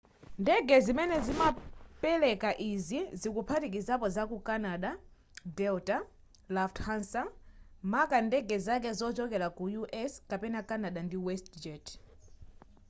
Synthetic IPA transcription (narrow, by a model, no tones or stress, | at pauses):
ndɛɡɛzimɛnɛzimapɛlɛkaʔizizikupʰatik̬izapɔzakukanaɗa | dɛlta | lafthansamakandɛɡɛzak̬ɛzɔt͡ʃɔkɛlakujuʔɛskapɛnakanaɗandiwɛstd͡ʒɛt